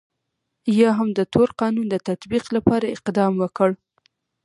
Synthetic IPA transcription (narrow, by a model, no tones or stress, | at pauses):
jɑɦamd̪ət̪ʰoɾqɑnund̪ət̪at̪biqlapɑɾaɪqd̪ɑmwəkəɽ